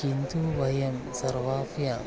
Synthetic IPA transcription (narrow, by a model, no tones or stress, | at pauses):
int̪uʋɐjɐmsɐɾʋaːfja